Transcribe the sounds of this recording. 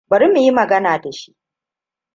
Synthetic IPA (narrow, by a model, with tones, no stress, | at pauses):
bɐ˨ɾɪ˦mu˨ji˦mɐ˨ɡɐ˦naː˨da˨ʃi̥˦ʔ